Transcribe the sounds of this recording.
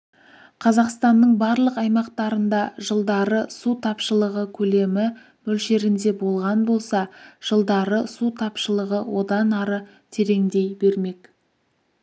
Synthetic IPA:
qʰɑzɑqst̪ɑnːəɴbɑɾlˠəqɑjmɑqt̪ɑɾənd̪ɑʒəlˠd̪ɑɾəsut̪ʰɑpʃəlˠəʁəkʲʰɵle̞mɪ | mɵlʃe̞ɾɪnd̪e̞bo̞lˠʁɑnbo̞lˠsɑʒ̥əlˠd̪ɑɾəsut̪ʰɑpʃəlˠəʁəwo̞d̪ɑnɑɾə | t̪ʰe̞ɾe̞ŋd̪e̞jbe̞ɾme̞k

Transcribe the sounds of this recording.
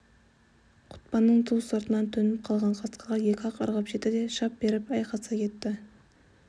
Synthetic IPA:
qʰʊ̥t̪pɑnːəɴt̪ʰuwsɑɾt̪ənɑnt̪ʰɵnɪp̚qʰɑlˠʁɑɴqʰɑsqəʁɑje̞kʲɪɑqɑ̰ɾʁɑpʒet̪ːɪd̪e̞ʃɑp̚be̞ɾɪpɑjqɑsɑkʲʰe̞t̪ːɪ

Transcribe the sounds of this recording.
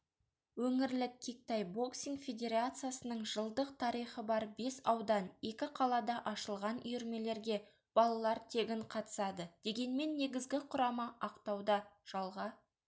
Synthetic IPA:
wɵŋɪɾlɪkʲʰːik̚t̪ɑjbo̞ksiŋfʲe̞d̪ʲe̞ɾat̪sɨjasənəɴʒəlˠd̪əq̚t̪ʰɑɾijχəbɑɾbe̞sɑwd̪ɑne̞kʲɪqʰɑlˠɑd̪ɑʔɑʃəlˠʁɑnʏjʏɾme̞le̞ɾɡʲe̞ | b̥ɑlˠɑlˠɑɾt̪ʰe̞ɡʲɪɴqʰɑt̪ə̥sɑd̪əd̪̥e̞ɡʲe̞nme̞nːe̞ɡʲɪzɡʲɪqʰʊɾɑmɑʔɑqt̪ɑwd̪ɑʒ̥ɑlˠʁɑ

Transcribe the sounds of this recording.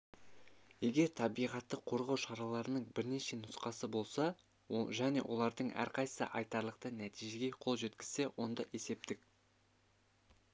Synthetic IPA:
je̞ɡʲe̞ɾt̪ʰɑbijʁɑt̪ːəqʰo̞ɾʁɑwʃɑɾɑlˠɑɾənəɴbɪɾne̞ʃe̞nʊsqɑsəbo̞lˠsɑ | ʒæne̞̰wʔo̞̰lˠɑɾd̪əɴæ̰ɾqʰɑjsə̰ʔɑjt̪ɑɾlˠəq̚t̪ənæt̪ijʒe̞ɡʲe̞qʰo̞lˠʒe̞t̪kʲɪ̥z̥se̞wo̞nd̪ɑʔe̞se̞p̚t̪ɪk̚

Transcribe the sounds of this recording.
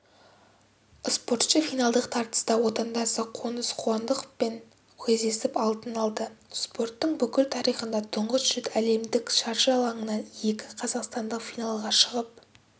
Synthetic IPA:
spo̞rt̪ʃəfijnɑlˠd̪əqt̪ʰɑɾt̪ə̥st̪ɑwo̞t̪ɑnd̪ɑsəqʰo̞nəsqʰuɑnd̪əqpeŋ | kʲʰezd̪e̞sɪpɑlˠt̪ənɑlˠd̪əspo̞rt̪ːəɴbʏkʲɪlt̪ʰɑɾijχənd̪ɑt̪ʰʊɴʁəsʒ̥ʏt̪æle̞md̪ɪkʃɑɾʃɑlˠɑɴənɑnje̞kʲɪqʰɑzɑqst̪ɑnd̪əqfijnɑlˠʁɑʃəʁəp̚

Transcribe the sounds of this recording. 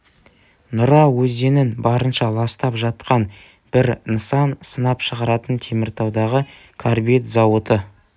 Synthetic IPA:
nʊɾɑwɵzd̪e̞nɪnbɑɾənʃɑlˠɑst̪ɑpʒɑt̪qɑn | b̥ɪɾnəsɑnsənɑpʃəʁɑɾɑt̪ənt̪ʰe̞mɪɾt̪ʰɑwd̪ɑʁə | kʰaɾbet̪zɑwət̪ə

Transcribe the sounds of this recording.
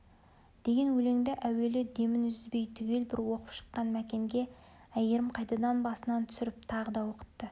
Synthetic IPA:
d̪̥e̞ɡʲe̞nwɵle̞ŋd̪eʔæwe̞lɪd̪e̞mɪnʏzʏzbe̞jt̪ʰʏɡʲe̞lbɪɾwo̞qəpʃə̥qːɑnmækʲe̞ŋɡʲe̞ | æjeɾɪmqʰɑjt̪ɑd̪ɑnbɑsənɑnt̪ʰʏ̥sɪɾɪp̚t̪ʰɑʁəd̪ɑwo̞qə̥t̪ːə

